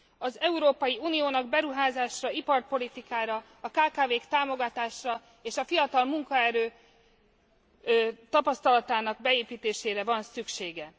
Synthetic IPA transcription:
ɒzɛuɾoːpɒjiuːnijoːnɒɡbɛɾuɦaːzaːʃrɒipɒrpo̞lit̪ikaːɾɒ | ɒkaːkaːveːkt̪aːmo̞ɡɒt̪aːʃrɒ | eːʃɒfijɒt̪ɒlmuŋkɒɛɾøː | t̪ɒpɒst̪ɒlɒt̪aːnɒɡ̚bɛeːpiːt̪eːʃeːɾɛvɒnsykʃeːɡɛ

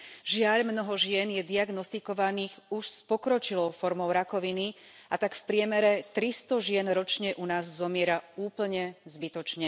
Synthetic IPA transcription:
ʒɪaʎmnɔɦɔʒɪɛnjɛd̪iaɡnɔst̪ikɔʋaniːxuʃspɔkɾɔt͡ʃilɔʊfɔɾmɔʊɾakɔʋini | ʔat̪akfpɾɪɛmɛɾɛt̪ɾist̪ɔʒɪɛnɾɔt͡ʃɲɛʔunaːzːɔmɪɛɾauːpl̩ɲɛzbit̪ɔt͡ʃɲɛ

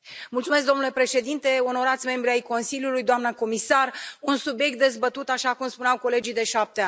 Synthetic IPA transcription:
mult̪sumesk̚d̪o̞nule̞pɾe̞ʃe̞d̪int̪e̞o̞no̞ɾat̪sʲme̞mbɾiajko̞nsiljulujd̪oamnəko̞misarunsubjek̚t̪̚d̪e̞zbət̪ut̪aʃakumspuneawko̞le̞d͡ʒijd̪e̞ʃap̚t̪ean

